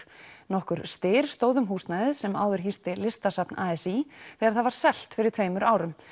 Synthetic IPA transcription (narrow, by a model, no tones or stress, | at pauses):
nɔhkʏɾ̥st̪ɪːɾ̥st̪oːwðʏmɦuːst̪najðɪðsɛma̰ːwðʏɾ̥ɦist̪ɪlɪst̪asapnaːɛsiθɛɣaɾθaðvaɾ̥sɛl̥t̪fɪɾɪɾ̥t̪ʰv̥eːjmʏɾaːwɾʏm